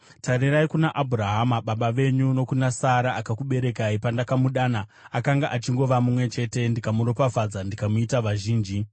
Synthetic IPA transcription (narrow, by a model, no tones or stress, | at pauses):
tariraikunaʔabʱuraɦamaɓaɓaʋe̞ɲuno̞kunasaɾaakakuɓe̞ɾe̞kaipandakamuɗaːnaakaŋɡaʔat͡ʃiŋɡo̞ʋamumwe̞t͡ʃe̞te̞ndikamuɾo̞pafad͡zandikamuitaʋaʒiːnd͡ʒi